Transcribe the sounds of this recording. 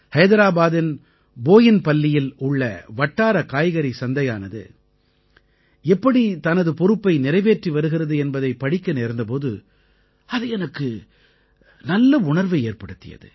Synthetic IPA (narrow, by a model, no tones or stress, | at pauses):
hɐjðɐɾaːbaːðɪn | boːjɪnpɐlːɪjɪlʊɭːɐ̰ʋɐʈːaːɾɐkaːjɣɐɾisɐnd̪ɐjaːnɐðɯ̰ | ɛpːɐɽit̪ɐnɐðɯpɔɾɯpːɐɪnɪɾɐɪʋeːʈriʋɐɾɯɣɪɾɐðɯɛnbɐðɐɪpɐɽɪkːɐneːɾnd̪ɐp̬oːðɯ | ɐðɯɛnɐkːɯ | nɐlːɐʊɳɐɾʋɐeːrpɐɽɯt̪ːɪjɐ̰ðɯ̰